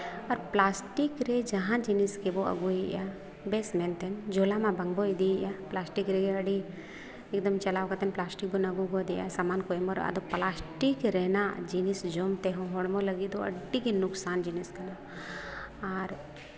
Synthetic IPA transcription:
ɐɾplaːsʈikɾed͡ʒɐɦãd͡ʒiniskeboɐ̰ɡuija̰ | beːsmẽnt̪end͡ʒoːlamãbɐŋɡboid̪ijaplaːsʈikɾeɡeɐɽi | eːk̚d̪ɐmt͡ʃɐlaːwkat̪enplaːsʈik̚bonɐɡuɡod̪ija̰saːmaːnkojməɾ̰ɐ̰d̪oplaːsʈikɾeːnad͡ʒinisd͡ʒomt̪eɦõɦoɽmolɐɡid̪oɐ̰ɖːikinʊksaːnd͡ʒiniskɐna | aɾ

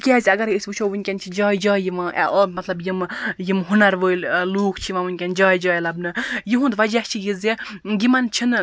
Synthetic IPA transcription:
kʲɛːzʲɐɡɐɾisʲbɨt͡ʃʰoʋɨnʲkʲɐnt͡ʃʰid͡ʒaːjd͡ʒaːjiʋãʔɛ̰ʔɔmɐt̪lɐbjimjimɦunɐɾʋəːilluːkʰt͡ʃʰiʋãʋɨnʲkʲand͡ʒaːjd͡ʒɔːjlɐbnɨjiɦũnd̪ʋɐd͡ʒaht͡ʃʰijizeɡʲimɐnt͡ʃʰin

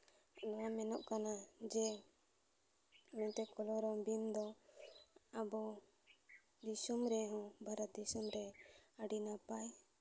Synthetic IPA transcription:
nɔwamɛnɔʔkanad͡ʒɛ | mɛt̪ɛkɔlɔɾɔbind̪ɔ | abɔ | d̪isɔmɾɛɦɔ̃bʱaɾat̪̚d̪isɔmɾɛəɖinapaj

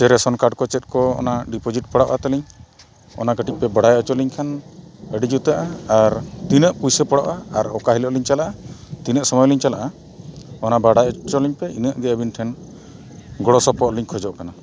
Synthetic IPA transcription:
sɛɾɛsɔnkaɖkɔt͡ʃɛt̪̚kɔɔ̰naɖipɔd͡ʒiʈpəɽaʔat̪aliɲ | ɔ̰naɡəʈic̚pɛbaɽajʔɔt͡ʃɔliɲkʰanəɖid͡ʒut̪aʔaːɾt̪inəʔpujsəpəɽaʔaːɾɔkaɦilɔʔliɲt͡ʃalaʔat̪inəʔsɔmɔjliɲt͡ʃalaʔa | ɔnabaɽajt͡ʃɔliɲpɛinəʔɡɛəbinʈʰɛn | ɡɔɽɔsɔpɔʔliɲkʰɔd͡ʒɔʔkana

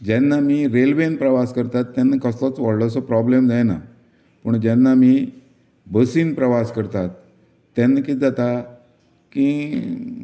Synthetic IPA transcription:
d͡ʑɛnːamiːɾelʋenpɾəʋaskəɾt̪at̪ːɛnːəkəslɔt͡sʋɔɽɭɔs̬ɔpɾɔblemd͡zajna̰ | pəɳd͡ʑɛnːami | bəsiːnpɾəʋaskəɾt̪at̪ː | ɛnːkid͡zat̪a | kĩ

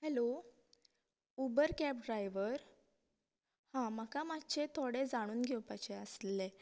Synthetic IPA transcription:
hɛlo | ubəɾkæp̚ɖɾajʋəɾ | hãməkamatːt͡ɕet̪ʰoɽed͡zaɽ̃uːnɡʱewpat͡ɕeəsle

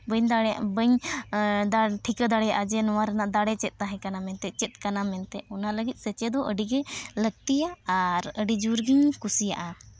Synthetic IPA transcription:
bəɲd̪aɽaʔbəɲ | d̪aʈʰikəd̪aɽɛjaʔad͡ʒɛnɔwaɾənaʔd̪aɽɛt͡ʃɛt̪̚ˀːaɦɛ̃kanamɛnt̪ɛt͡ʃɛt̪̚kanamɛnt̪ɛɔnaləɡit̪̚ˀsət͡ʃɛd̪ɔʔəɖiɡɛləɡ̚t̪ijaːɾəɖid͡ʒuɾɡiɲkusija̰ʔa

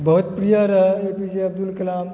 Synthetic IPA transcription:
bɐɦut̪pɾijaɾɐɦepid͡ʒeɐb̚d̪ulkɐlaːm

